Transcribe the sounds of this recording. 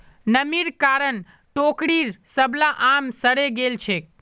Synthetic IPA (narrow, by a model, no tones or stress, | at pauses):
nəmiɾkaɾən | ʈokɽiɾsəbʱlaʔamsəɾeɡelt͡ʃʰek̚